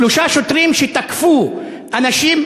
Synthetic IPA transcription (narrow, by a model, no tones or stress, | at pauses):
luʃaʃot̪ʁimʃet̪akfu | ʔanaʃim